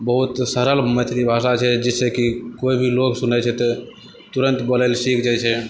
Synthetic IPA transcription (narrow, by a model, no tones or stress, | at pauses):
bəɦut̪səɾəlmət̪ʰɾibʱasat͡ʃʰɛd͡ʒɛsekikoibʱiloksunət͡ʃʰɛt̪ɔ | t̪uɾənt̪bəlelsikd͡ʒajt͡ʃʰɛ